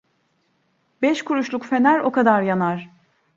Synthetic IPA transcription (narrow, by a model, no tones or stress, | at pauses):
bɛʃkʰuɾuʃlˠukfe̞næɾo̞kʰad̪aɾjanaɾ̥